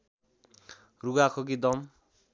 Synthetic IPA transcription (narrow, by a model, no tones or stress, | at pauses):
ruɡakʰʌkid̪ʌm